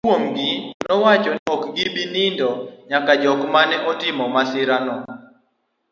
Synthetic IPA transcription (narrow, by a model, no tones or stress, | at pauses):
womɡɪnɔwat͡ʃɔɔkɡɪbinɪndɔɲakad͡ʒɔkmanɛʔɔtɪmɔmasɪɾanɔ